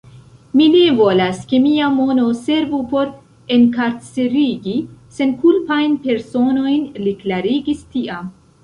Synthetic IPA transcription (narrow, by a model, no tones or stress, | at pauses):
mine̞vo̞laske̞miamo̞no̞se̞ɾvupo̞ɾ | e̞nkaɾt͡seɾiɡise̞nkulpajnpe̞ɾso̞no̞jnliklaɾiɡistiʔam